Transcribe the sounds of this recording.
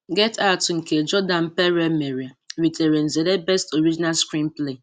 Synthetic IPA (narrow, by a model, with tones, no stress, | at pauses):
ɡɛ˦ta˦ʊ˨tŋ̩˨ke˨d͡ʒɔ˦dã˨n̩˨pɛ˦ɾɛ˦me˨ɾi˨a˨wi˨tʰe˨ɾe˨n̩˨ze˨de˦bɛ˦sto˨ɾi˦d͡ʒi˦na˦lskɾĩ˦mple˦˨